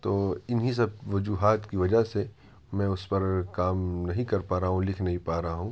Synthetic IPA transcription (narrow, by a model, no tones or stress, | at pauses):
t̪oːɪnɦis̬ɐb̚ʋɐd͡ʒuːɦaːt̪kiʋɐd͡ʒase | mɛ̃ːʊspɐɾkaːmnɐɦĩkɐɾpaːɾaɦɦũlɪkʰnɐɦĩpaːɾɐɦaɦũː